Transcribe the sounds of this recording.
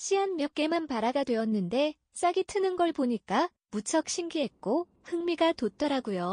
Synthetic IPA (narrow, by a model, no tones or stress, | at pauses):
ɕʰiɦanmjʌk̚k͈e̞manpaɾaɡadwe̞ʌnːɯnde̞ | s͈aɡitʰɯnɯnɡʌɭboɲik͈a | mut͡ɕʰʌk̚ɕʰiŋɡiɦet̚k͈o | hɯŋmiɡatot͈ʌɾaɡujo